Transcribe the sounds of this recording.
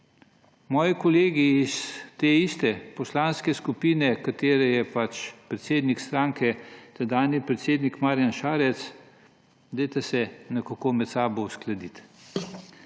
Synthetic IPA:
mɔːjikɔleːɡiːst̪eːist̪ɛpɔslaːnskɛskupiːnɛkat̪eːɾɛjɛpat͡ʃpɾɛt̪seːd̪nikst̪ɾaːŋkʰɛt̪ɛd̪aːnipɾɛt̪seːd̪nikmaːɾjanʃaːɾɛt̪s | d̪ejt̪ɛsɛnakakomɛt̪saːbowsklɐd̪it̪

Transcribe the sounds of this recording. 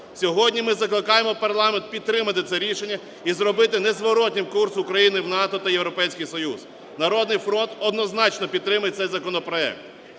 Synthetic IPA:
sʲɔɦɔdʲnʲimɪzɐklˠɪkɑjemɔpɐrlˠɑment̪̚pʲid̪̚ɾɪmɐt̪ɪt̪sɛɾʲiʃenʲːɐ | izɾɔbɪt̪ɪnɛzʋɔɾɔt̪ʲnʲɪwkursʊkɾɐjinɪwnɑt̪ɔt̪ɐjewɾɔpɛjsʲkɪjsɔjuz | nɐɾɔd̪̚nɪjfɾɔnt̪ɔd̪nɔznɑt͡ʃnɔpʲid̪t̪ːɾɪmɐjʲt̪sɛjzɐkɔnɔpɾɔɛ̰k̚t̪̚

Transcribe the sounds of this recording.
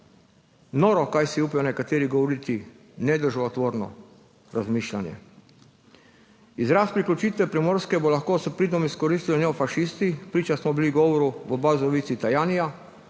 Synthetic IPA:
nɔːɾɔkajsiupɛjɔnɛkat̪eːɾiɡɔʋɔɾiːt̪i | nɛd̪ɔʒɔʋat̪ʋoːɾnɔ̰ | ɾazmiːʃlanjɛ̰ | izɾaspɾiklʲut͡ʃiːt̪ʋɛpɾimoːɾskɛbolaxkoːspɾiːd̪nɔmiskɔɾiːst̪ilɔnɛɔfaʃist̪ipɾiːt͡ʃasmɔbiliɡɔːʋɔɾuʋəbazɔʋit̪sit̪ajaːnija

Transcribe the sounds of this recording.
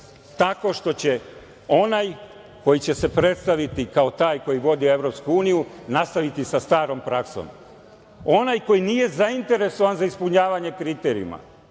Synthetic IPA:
t̪ako̞ʃt̪o̞t͡ɕe̞ | o̞naj | ko̞jit͡ɕe̞se̞pɾe̞t̪st̪aʋit̪ikao̞t̪aːjko̞jiʋo̞d̪ioe̞ʋɾo̞pskuuːnijunast̪aʋit̪isast̪aːɾo̞mpɾakso̰m | o̞najko̞jinije̞zaint̪e̞ɾe̞so̞ʋanzaispuɲaːʋaɲe̞kɾit̪eɾḭṵma̰

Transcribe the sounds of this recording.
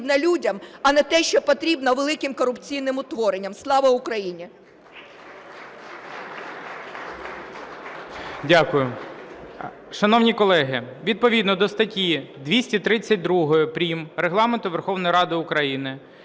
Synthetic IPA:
nɐlʲudʲɐmɐnɐt̪ɛʃt͡ʃɔpɔt̪ɾʲibnɐʋelˠɪkɪmkɔɾʊpt͡sʲijnɪmʊt̪ʋɔɾenʲːɐmslˠɑʋɐʊkɾɐjinʲi | dʲakʊjʊ | ʃɐnɔwnʲikɔlˠɛɦɪʋʲid̪̚pɔʋʲid̪nɔd̪ɔst̪ɐtʲid̪ʋʲisʲtʲit̪ɾɪt͡sʲːɐt̚ʲd̪ɾuɦɔjʊpɾʲimɾeɦlˠɑment̪ʊʋerxɔwnɔjɾɑd̪ɪʊkɾɐjinɪ

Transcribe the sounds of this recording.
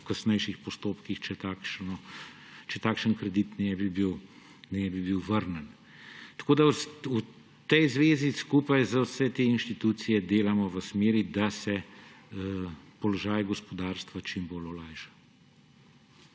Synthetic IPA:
kasnɛjʃixpɔst̪oːpkixt͡ʃɛt̪aːkʃnɔ | t͡ʃɛt̪aːkʃənkɾɛd̪it̪nɛbibiw | nɛbibiwʋəɾnən | t̪ɐ̥koːd̪awu | t̪ɛjzʋeːziskuːpajzawsɛt̪einʃt̪it̪uːt̪sijɛd̪eːlamɔʋəsmeːɾid̪asɛ | pɔlɔʒaːjɡɔspɔd̪aːɾst̪ʋat͡ʃimboːlɔlaːjʃḁ

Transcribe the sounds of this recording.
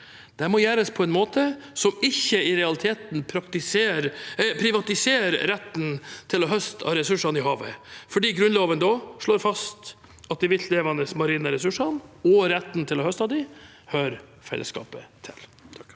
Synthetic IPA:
d̪̥ɛhæmɔjæːɾəspʰɔɛnmoːt̪ə | sɔmɪçːəɪɾɛɑlɪt̪ʰeːt̪npʰɾɑkt̪ɪseːɾpʰɾɪʋɑt̪ɪseːɾɾɛt̪ːn̩t̪ʰɪlɔɦœst̪ʰɑ̰ɾɛsʉʂɑnɪɦɑːʋə̰fɔɖiːɡɾʉnloːʋənd̪ɔʂɭoːɾfɑst̪ | ɑt̪̚d̪ɪʋɪt̪ʰleːʋɑnəsmɑɾiːnəɾɛsʉʂɑnɔɾɛt̪ːnt̪ʰɪlɔhœst̪ɑd̪ɪ | høːɾfɛ̰lʔə̰skɑ̰ːpət̪ʰɪ̰l

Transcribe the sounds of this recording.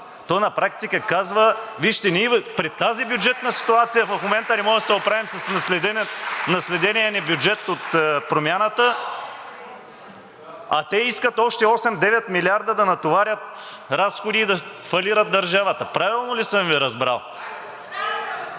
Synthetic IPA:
t̪ɔjnɐpɾakt̪ikəkazvəviʃt̪ɛnivpɾit̪azibjud͡ʒɛt̪nəsi̥t̪uat̪sijəvɐfmomɛnt̪ənɛmɔʒɛsɛopɾavimsɐsnɐslɛd̪ɛnɛnɐslɛd̪ɛnʲiɛnɛbjud͡ʒɛt̪ot̪pɾomʲjanət̪ə | ɐ̰t̪ɛiskət̪ɔʃt̪ɛɔsɛmd̪ɛvɛt̪milʲiaɾd̪əd̪ɐnɐt̪ovaɾʲət̪ | ɾasxod̪iːd̪ɐfɐliɾəd̪̚d̪ɐɾʒavət̪əpɾavilˠnolisəmviɾɐzbɾa̰lˠ

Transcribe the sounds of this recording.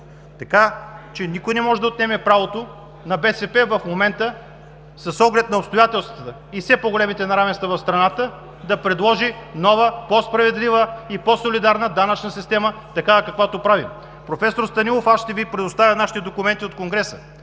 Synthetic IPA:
t̪ɐkat͡ʃɛnikʊjnɛmɔʒɛd̪ɐot̪nɛmɛpɾavot̪o | nɐbɛsɛpɛvɐfmomɛnt̪ə | sɐsɔɡlɛt̪nɐopst̪ojat̪ɛlˠst̪vɐt̪ə | ifsɛpoɡolɛmit̪ɛnɐɾavɛnst̪vɐvɐfst̪ɾɐnat̪ə | d̪ɐpɾɛd̪lˠɔʒinɔvəpɔspɾɐvɛd̪livəiposolid̪aɾnəd̪anɐt͡ʃnəsist̪ɛmət̪ɐkakɐkvat̪opɾavim | pɾofɛsoɾst̪ɐnilˠofasʃt̪ɛvipɾɛd̪ost̪avʲɐnaʃi̥t̪ɛd̪okʊmɛnt̪iot̪koŋɡɾɛsə̥

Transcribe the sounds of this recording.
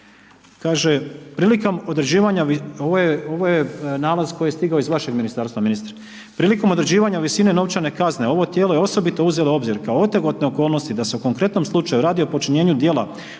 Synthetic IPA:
kaːʒe̞pɾiːliko̞mo̞d̪ɾe̞d͡ʑiːʋaɲaoʋojeoʋojenaːlazko̞jijest̪iɡaoizʋaʃe̞ɡminist̪aɾst̪vaminist̪ɾa | pɾiːliko̞mod̪ɾe̞d͡ʑiːʋaɲaʋisine̞no̞ʋt͡ʃane̞kazne̞o̞ʋo̞t̪jeːlo̞jeo̞so̞bit̪o̞uze̞loo̞bziɾkaoot̪eɡot̪ne̞oko̞ːlnost̪id̪aseuko̞ŋkɾe̞t̪no̞mslˠut͡ʃajuɾaːd̪io̞po̞t͡ʃiɲe̞ːɲud̪je̞la̰

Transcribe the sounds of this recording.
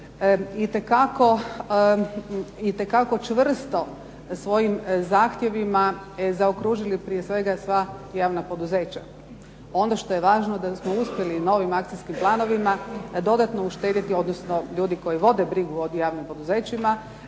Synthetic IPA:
it̪e̞kako̞ | it̪e̞kako̞t͡ʃʋr̩st̪o̞ | sʋo̞jimzaːxt̪je̞ʋima | zaokɾuːʒilipɾije̞sʋe̞ɡasʋajaːʋnapo̞d̪uze̞ːt͡ɕa | o̞nd̪aʃt̪o̞je̞ʋaːʒnod̪asmo̞uspʲje̞lino̞ʋimakt̪siskimplˠaːno̞ʋimad̪o̞d̪at̪no̞uʃt̪e̞ːd̪it̪io̞d̪nosno̞ʎuːd̪iko̞jiʋo̞d̪e̞bɾiɡuojaːʋnimpo̞d̪uze̞ːt͡ɕima

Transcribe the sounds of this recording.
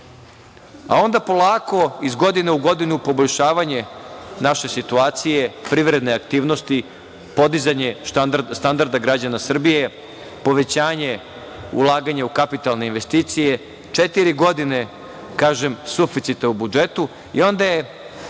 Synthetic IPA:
a̰o̞nd̪apo̞lˠaːko̞izɡo̞d̪ineuɡo̞d̪inupo̞bo̞ʎʲʃaːʋaɲe̞naʃe̞sit̪uaːt̪sije̞pɾiʋɾe̞d̪ne̞akt̪iːʋnost̪i | po̞d̪izaɲest̪and̪aɾd̪aɡɾad͡ʑanasr̩bije̞ | po̞ʋe̞t͡ɕaːɲe̞ | ṵlˠaːɡaɲaukapit̪alˠne̞inʋe̞st̪iːt̪sije | t͡ʂe̞t̪iɾiɡo̞d̪ine | kaːʒemsufit̪sit̪aubud͡ʒe̞t̪u | io̞nd̪aje

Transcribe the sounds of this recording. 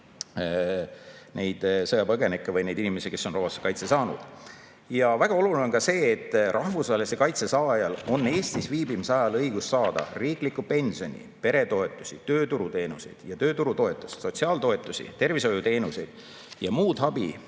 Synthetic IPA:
ne̞jd̪̥sɤjɑpɤɡe̞nekˑːevɤjne̞jd̪inime̞sike̞sːo̞nroɦhɑse̥kɑjt̪sesɑːnṵd̪̥ | jɑvæɡ̥ɑo̞lulineonkɑse̞ːt̪ːrʔɑhvusɑlisekɑjt̪se̞sɑːɑjɑlo̞nːe̞ːst̪isviːbimiseɑjɑlɤjɡusːɑːd̪ɑ̰riːklikːˑupe̞nsio̞nʲḭpe̞ɾe̞t̪o̞e̞t̪ːˑusit̪ø̞ːt̪uɾut̪e̞ːnuse̞̰jd̪̥jɑt̪ø̞ːt̪uɾut̪o̞e̞t̪ːˑu̥sso̞t̪ʲsiɑːlt̪o̞e̞t̪ːˑusʲḭt̪e̞rviso̞jut̪e̞ːnuse̞jd̪̥ | jɑmuːd̪̥ɦɑb̥i

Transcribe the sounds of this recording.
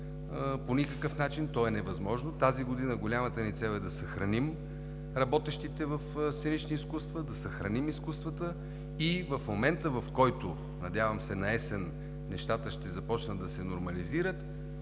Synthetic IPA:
əponʲikəkəfnat͡ʃint̪ɔɛnɛvɐzmɔʒnot̪aziɡod̪inəɡolʲamət̪ənit̪sɛlˠɛd̪ɐsɐxɾɐnim | ɾɐbɔt̪ɛʃt̪it̪ɛvɐfsɛnit͡ʃniːskust̪vəd̪ɐsɐxɾɐnimiskust̪vət̪ə | ivɐfmomɛnt̪əvɐfkɔjt̪ʊ | nɐd̪ʲavəmsɛnɐɛsɛnː | ɛʃt̪at̪əʃt̪ɛzɐpɔt͡ʃnəd̪ɐsɛnoɾmɐliziɾət̪

